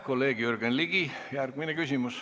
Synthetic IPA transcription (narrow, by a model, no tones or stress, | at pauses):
kolːeːɡ̥jyrɡ̥enliɡ̥i | jærɡ̥minekysʲimus